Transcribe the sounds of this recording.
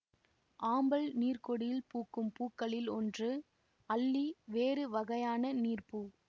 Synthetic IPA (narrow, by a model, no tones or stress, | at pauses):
ʔaːmbɐɭniːrkɔɽɪjɪlpuːkːɯmpuːkːɐɭɪlɔndrɯ | ɐlːiʋeːɾɯʋɐɣɐjaːnɐniːrpu